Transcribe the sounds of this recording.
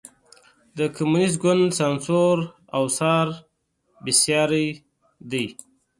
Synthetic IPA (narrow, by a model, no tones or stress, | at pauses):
d̪əkʰamunɪs̬̚ɡʊnd̪sansoɾ | awsɑɾ | bɪsjɑɾəj | d̪əj